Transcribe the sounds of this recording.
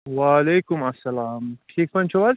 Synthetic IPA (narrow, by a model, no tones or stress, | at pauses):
waːleːkʊmɐsːɐlaːmʈʰiːk̚pɐnt͡ʃʰuwɐz